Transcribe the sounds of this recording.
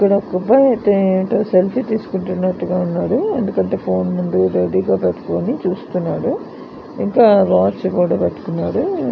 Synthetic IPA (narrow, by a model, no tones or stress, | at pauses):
ikːɐɽɐɔkːɐpɐjt̪eʈɐselpʰit̪iːsu̥kuɳʈunːɐʈːuɡaːunːaːɽue̞nd̪ukɐɳʈe̞ːpʰo̞ːnmund̪uɾeɽiːɡaːpeʈːɐ̥koːnit͡ʃuːst̪unːaːɽu | iŋkaːʋaːt͡ʃːpɔːɽɐpeʈːu̥kunːaːɽu